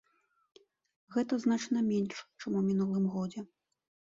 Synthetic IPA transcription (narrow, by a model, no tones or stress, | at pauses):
ɣɛt̪ɐznat͡ʂnɐmʲɛnʂt͡ʂɨmumʲinulˠɨmɣɔd͡zʲɛ